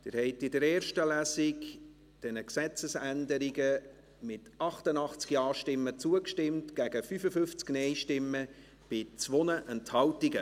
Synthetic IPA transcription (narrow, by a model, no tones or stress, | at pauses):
d̥ɪːɾhɛɪtɪdəɾɛːɾʃtəlæːsɪk | d̥ɛnəksɛt͡səsændəɾiɡə | mɪtɑχtənɑχt͡skjɑːʃtɪmːət͡suəkʃtɪmtɡ̥æɡəfyfəfʏft͡sknɛɪʃtɪmːə | b̥ɪt͡svɔnəʔɛnthɑltɪɡə